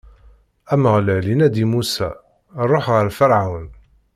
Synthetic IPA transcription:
æmːæʁləʕlinæd̪imusæ̰ | ɾˤoħʁəɾfəɾʕawn

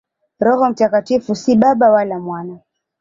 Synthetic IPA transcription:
ɾɔɦɔm̩takatifusiɓaɓawalamwana

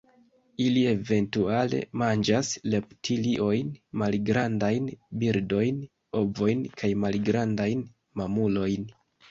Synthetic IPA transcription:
ilie̞ve̞ntuale̞̰mand͡ʒasle̞ptʰiliʔo̞jnmalɡɾandajnbiɾdo̞jn | o̞vo̞jnkʰajmalɡɾandajn | mamulo̞jn

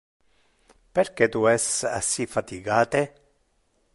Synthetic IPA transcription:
peɾket̪uɛsa̰sifat̪iɡaːt̪e

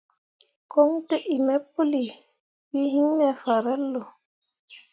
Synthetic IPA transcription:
kɔŋteʔimɛpːoli | wihiŋːɛfaɾɛlːɔ

